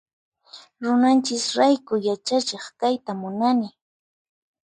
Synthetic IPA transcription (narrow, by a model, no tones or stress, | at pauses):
ɾʊnant͡ʃɪsɾajkʊjat͡ʃat͡ʃeχkajt̪amʊnanɪ